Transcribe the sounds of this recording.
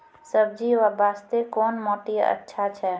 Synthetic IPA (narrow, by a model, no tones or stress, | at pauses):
səb̚d͡ʒiʋabaːst̪ekoːnmɔːt̪iə̰tːʃʰat͡ʃʰɛ